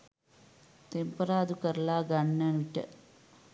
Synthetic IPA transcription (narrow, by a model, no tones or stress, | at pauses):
t̪empɐɾaːd̪ukɐɾlaːɡɐɳːɐnuʈːɐ̰